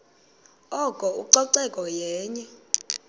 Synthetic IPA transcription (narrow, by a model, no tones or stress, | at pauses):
ɔkʼɔuǀɔǀɛkʼɔjɛːɲɛ